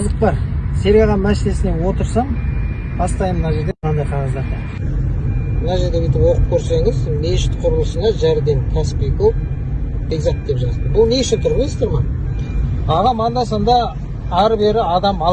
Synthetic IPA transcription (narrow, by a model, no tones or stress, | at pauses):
zəq̚pɑɾse̞ɾɑʁɑmæsele̞sɪne̞wo̞t̪əɾsɑm | bɑst̪ɑjəmənɑʒe̞ɾd̪e̞mnʰɑnd̪ɑjqʰɑʁɑzlˠɑɾɑ | mənɑʒe̞ɾd̪e̞bʲet̪ɪpwo̞qəp̚kʲʰɵɾse̞ŋɪzme̞jʒɪt̪qʰʊɾəlˠəsənɑʒæɾd̪e̞ŋkʲʰæsɪ̥pijkʲop | be̞ɡzɑk̚t̪̚d̪epʒɑzd̪əbʊlˠneʃɪnt̪ʰʊɾbɪlˠe̞st̪eɾmɑ | ɑʁɑmɑnd̪ɑs̬ɑnd̪ɑ | ɑɾbe̞ɾɪɑd̪ɑmɑ